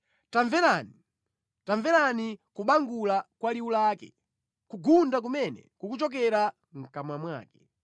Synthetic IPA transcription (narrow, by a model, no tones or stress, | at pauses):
taɱvɛlaːni | taɱvɛlanikuɓaŋɡulakwaliulaːkɛ̰ | kuɡundak̬umɛnɛ̰kukut͡ʃɔk̬ɛɾa | ŋ̩kamamwa̰ːkɛ̥